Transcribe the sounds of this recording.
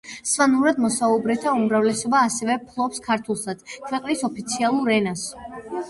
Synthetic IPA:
svanuɾad̪mɔsaubɾɛt̪ʰaumɾavlɛsɔbaːsɛvɛpʰlˠɔpskʰaɾt̪ʰulˠsad̪kʰvɛqʼnisɔpʰit̪sʰialˠuɾɛnas

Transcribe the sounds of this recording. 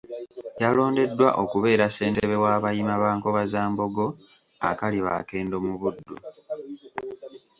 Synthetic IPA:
jalo̞ːnde̞dːwaʔo̞kuβe̞ːɾase̞ːnteβe̞waːβajimaβaːŋko̞βazaːmbo̞ɡo̞ | a̰kaliβa̰ke̞ːndo̞muβudːu

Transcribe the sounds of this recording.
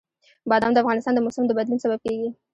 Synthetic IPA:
bɑd̪ɑmd̪əafɣɑnɪst̪ɑnd̪əmʊsamd̪əbad̪lunsabab̚keɡi

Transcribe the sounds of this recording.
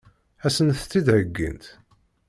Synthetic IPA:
æsənθt̪ːid̪həɡːḭnt̪

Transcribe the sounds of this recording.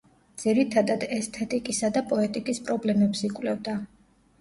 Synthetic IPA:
d̪z̥iɾit̪ʰad̪ad̪ɛst̪ʰɛt̪ʼikʼisad̪apʼɔɛt̪ʼikʼispʼɾɔblɛmɛpsikʼwlɛvd̪a

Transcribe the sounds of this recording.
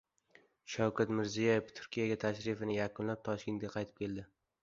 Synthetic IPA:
ʃawkʰʲat̪mɪɾzijɒjeft̪ʰʊ̥ɾkʲijaɡʲat̪ʰaʃɾɪfɪnɪjakʊnlap̚t̪ʰɒʃkʲe̞nt̪̚ʲɡʲaqʰɑjt̪ʰɪ̥p̚kʲʰe̞ld̪ɪ

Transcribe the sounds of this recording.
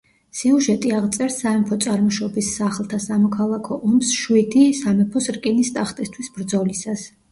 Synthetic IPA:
siuʒɛt̪ʼiaʁt̪sʼɛɾsːaɛmpʰɔt̪sʼaɾmɔʃɔbisːaχlˠt̪ʰasamɔkʰalˠakʰɔʔɔmsʃwid̪isamɛpʰɔsɾkʼinist̪ʼaχt̪ʼist̪ʰwisbɾd̪zɔlisas

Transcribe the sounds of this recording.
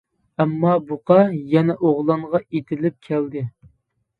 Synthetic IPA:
ɛmːɑbuqɑjɛnɛʔoʁlˠɑɴʁɑet̪ʰɪlɪp̚kʲʰɛld̪ɪ

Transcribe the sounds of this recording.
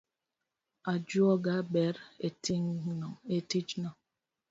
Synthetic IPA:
ad͡ʒuɔɡabɛɾetiŋnɔŋetid͡ʒnɔŋ

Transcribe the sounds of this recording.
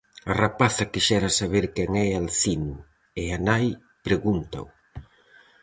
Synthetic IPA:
arapaθɐkiʃɛɾɐsaβeɾkɛŋɛalθinʊ | eanaj | pɾeɣunt̪ɐ̰ʊ

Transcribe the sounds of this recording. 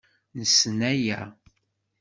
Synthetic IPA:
nəsːnæjæ

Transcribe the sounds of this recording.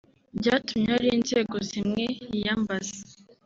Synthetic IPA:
bɟaːtumɲaɾiːnze̞ːɡo̞zimŋe̞ijaːmbaze

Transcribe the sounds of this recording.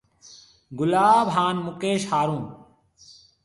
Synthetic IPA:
ɡʊlaːbɦaːnmʊkeːʃhaːɾũːn

